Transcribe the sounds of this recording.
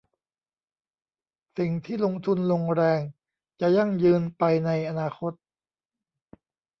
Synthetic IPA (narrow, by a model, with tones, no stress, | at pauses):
si˨˩ŋt̪ʰiː˥˩lo˧ŋt̪ʰu˧nlo˧ŋɾɛː˧ŋ | t͡ɕa˨˩ja˥˩ŋjɯː˧npa˧jna˧jʔa˧naː˧xʰo˦˥t̪̚